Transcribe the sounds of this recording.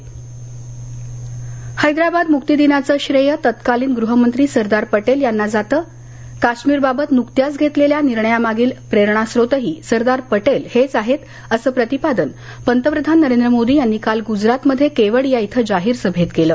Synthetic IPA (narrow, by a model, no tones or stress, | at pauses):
həjd̪ɾabad̪muk̚t̪id̪inat͡səːɕɾəjət̪ət̪kaliːnɡɾuɦəmənt̪ɾiːsəɾd̪aɾpəʈeljanːad͡zat̪əː | kaɕmiːɾbabət̪nukt̪jasɡʱet̪leljaniɾɳəjamaɡiːlpɾeɾɳ̃asɾot̪əɦiːsəɾd̪aɾpəʈelhet͡saɦet̪ | əsəːpɾət̪ipad̪ən | pənt̪əpɾəd̪ʱanːəɾend̪ɾəmod̪iːjanːikalɡud͡zɾat̪məd̪ʱːjekeʋəɭjait̪ʰəd͡zaɦiːɾsəbʱet̪ɡeləː